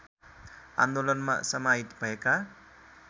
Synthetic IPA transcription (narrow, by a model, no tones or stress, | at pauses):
a̰nd̪olʌnma̰sʌmait̪bʱʌeka